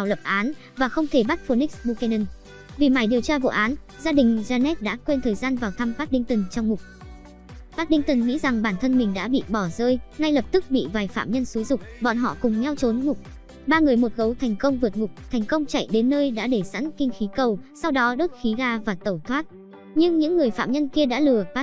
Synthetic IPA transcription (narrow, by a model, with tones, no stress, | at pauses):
a˨˩wlə˨˩p̚ʔaː˨˦n | vaː˨˩xə˧wŋ͡mt̪ʰe˧˩ɓa˦˥t̚fo˧ni˦˥k̚sɓu˧kɛ˧nə˧n | vi˨˩ma˧˩jɗi˨˩əwt͡ɕaː˧vo̰˧˨ʔaː˨˦n | zaː˧ɗï˨˩ŋ̟zaː˧nɛ˦˥t̚ɗa̰ː˧˥kwe˧nt̪ʰəː˨˩jzaː˧nvaː˨˩wt̪ʰa˧mva˦˥t̚ɗï˧ŋ̟t̪ə˨˩ŋ̟t͡ɕɔ˧wŋ͡mmʊ˨˩k͡p̚ | faː˦˥k̚ɗï˧ŋ̟t̪ə˨˩ŋŋḭ˧˥za˨˩ŋɓaː˧˩nt̪ʰə˧nmï˨˩ŋ̟ɗa̰ː˧˥ɓḭ˧˨ɓɔ˧˩zəː˧jŋa˧jlə˨˩p̚t̪ɨ˦˥k̚ɓḭ˧˨vaː˨˩jfa̰ː˧˨mɲə˧nsu˨˦jzʊ˨˩k͡p̚ɓɔ̰˧˨nɦɔ̰˧˨kʊ˨˩ŋ͡mŋɛ˧wt͡ɕo˨˦nmʊ˨˩k͡p̚ | ɓaː˧ŋɨ˨˩əjmo˨˩t̚ɣə˨˦wt̪ʰɛ˨˩jŋ̟kə˧wŋ͡mvɨ˨˩t̚mʊ˨˩k͡p̚t̪ʰɛ˨˩jŋ̟kə˧wŋ͡mt͡ɕa̰˧˨jɗe˨˦nːəː˧jɗa̰ː˧˥ɗe˧˩sa̰˧˥nkï˧ŋ̟xi˨˦kə˨˩wsa˧wɗɔ˨˦ɗəː˦˥t̚xi˨˦zaː˧vaː˨˩t̪ə˧˩wt̪ʰwaː˦˥t̚ | ɲɨ˧ŋɲɨ̰˧˥ŋːɨ˨˩əjfa̰ː˧˨mɲə˧nki˧əɗa̰ː˧˥lɨ˨˩əfaː˦˥